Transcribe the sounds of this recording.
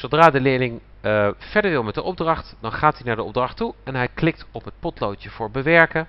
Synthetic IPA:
sowdraːdəlɪːɹlɪŋ | fɛɹdəɹʋɪlˠmɛt̚dəʔɔb̚drɑχtdɑnχaːtinaːɹdəɔ̰b̚drɑχtuɛnɦɛjklɪk̚tɔpɦət̚pɔtlowtjəv̥ʊːɹbəʋɛɹkə

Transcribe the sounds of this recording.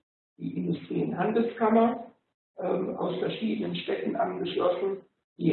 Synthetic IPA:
d̥ḭːʔɪndʊstʁ̥iːɪnɦandl̩skamɐ | ʔɛmʔa̰ʊsfɛɐʃiːdənənʃtɛtn̩ʔa̰nɡəʃlɔsn̩ | d̥iː

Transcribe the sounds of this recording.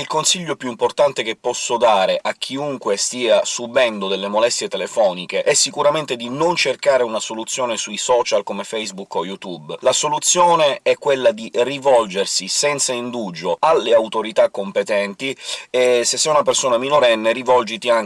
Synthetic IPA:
ilkonsiʎːopjuimport̪ant̪ekepːɔsːod̪aːɾeʔakʰːiuŋkwest̪iːasubɛnd̪od̪elːemolɛst̪jet̪elefɔːnikeʔɛsːikuɾament̪ed̪inont͡ʃerkaːɾeunasolut̪sːjoːnesujsɔːt͡ʃalkomefɛjzbukːojut̪ublasolut̪sːjoːneɛkːwelːad̪irivɔld͡ʒersisɛnt̪saind̪ud͡ʒoalːeawt̪oɾit̪akːompet̪ɛnt̪iɛsesːɛunap̬ersoːnaminoɾɛnːeɾivɔld͡ʒit̪iaŋ

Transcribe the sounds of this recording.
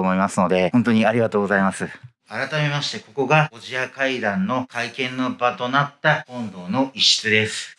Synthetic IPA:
omo̞imasɨno̞d̪e̞hont̪o̞ɲ̟iaɾʲiɡat̪oːɡo̞zaimasɨ | aɾat̪ame̞maɕi̥t̪e̞ko̞ko̞ɡao̞ʑiakaid̪ãnːo̞kaikẽ̞nːobat̪o̞nat̪ːakõ̞nd̪o̞ːno̞iɕi̥t͡sɨd̪e̞sɨ̥

